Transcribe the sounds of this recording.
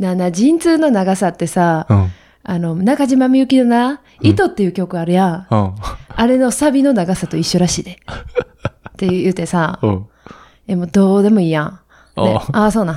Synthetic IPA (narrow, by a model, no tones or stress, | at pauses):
nãnːad͡ʑĩnt͡sɨːno̞naɡasat̪ːe̞sa | ano̞nakaʑimamʲiɯ̟kʲinona | it̪o̞t̪ːe̞jɯ̟kʲo̞kɯaɾɯ̟jã | aɾe̞no̞sabʲino̞naɡasat̪o̞iɕːo̞ɾaɕiːd̪e | t̪e̞ɯjɯ̟ːt̪e̞sã | emo̞d̪o̞ːd̪e̞mo̞iːjã | eʔaso̞ːnã